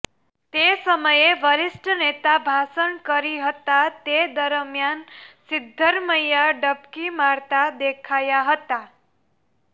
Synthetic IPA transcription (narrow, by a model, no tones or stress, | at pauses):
t̪esəməjeʋəɾisʈənet̪abʱasənkəɾiɦət̪at̪ed̪əɾmjansid̪ʱːəɾməjaɖəpkimaɾt̪ad̪ekʰajaɦət̪a